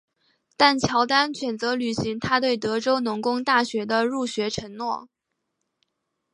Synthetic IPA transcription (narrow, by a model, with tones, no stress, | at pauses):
t̪a˥˩nt͡ɕʰjɑ˧˥ʊt̪a˥nɕɥɛ˨˩nt͡sɤ˧˥ly˨˩ɕi˧˥ŋt̪ʰa˥t̪we˥˩ɪt̪ɤ˧˥ʈ͡ʂo˥ʊnʊ˧˥ŋkʊ˥ŋt̪a˥˩ɕɥɛ˧˥d̪ə˧ɻu˥˩ɕɥɛ˧˥ʈ͡ʂʰɤ˧˥ŋnwɔ˥˩